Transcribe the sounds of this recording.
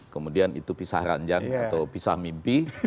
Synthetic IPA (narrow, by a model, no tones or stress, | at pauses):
kəmudianḭt̪upisa̰hɾa̰ɲd͡ʒaŋat̪awpisahmimpi